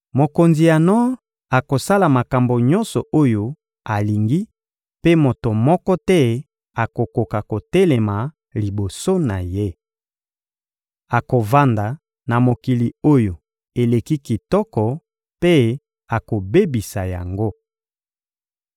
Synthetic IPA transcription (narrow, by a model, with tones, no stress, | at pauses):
mo˨ko˨nzi˨ja˨nɔ˦ | a˨ko˨sa˦la˨ma˨ka˨mbo˨ɲɔ˦nsɔ˨o˦jo˨ | a˨li˨ŋɡi˦ | pe˦mo˨to˨mɔ˦kɔ˦tɛ˦ | a˨ko˨ko˨ka˨ko˨tɛ˦le˨ma˨ | li˨bo˨so˦na˨je˦ | a˨ko˨va˦nda˨ | na˨mo˨ki˨li˨o˦jo˨ | e˨le˨ki˦ki˨tɔ˦kɔ˨ | pe˦ | a˨ko˨be˦bi˨sa˨ja̰˨ŋɡo˦